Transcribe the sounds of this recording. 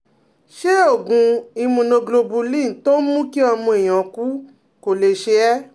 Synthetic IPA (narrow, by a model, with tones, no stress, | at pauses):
ʃe˦o˦˨ɡũ˨˧i˧mũ˧nõ˧ɡlo˧bu˧lĩ˦˨to˦mũ˦ki˦ɔ˧mũ˧e˨j̃ã˨ku˦ | ko˨le˨ʃe˧ɛ˦